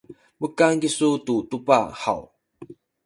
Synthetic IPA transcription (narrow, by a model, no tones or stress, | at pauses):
bukankisut̪ut̪upa̰ha̰w